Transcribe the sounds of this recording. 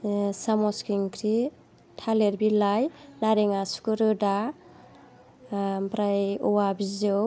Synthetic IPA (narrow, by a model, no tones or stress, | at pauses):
samɔskiŋkʰɾi | tʰaleɾbilajnaɾeŋasu̥kɯɾɯda | pɾajɔwabizɯ